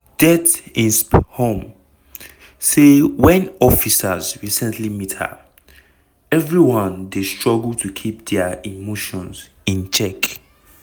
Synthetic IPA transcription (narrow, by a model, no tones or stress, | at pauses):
d̥ɛtĩnsphõm | sewɛ̃nɔfisazɹisɛ̃ntlimitʰə̰ | ɛvɹiwɔ̃ndestɹ̥ɔɡltʰukʰip̚dɛimoʃɔ̃nz | ĩnt͡ʃʰɛk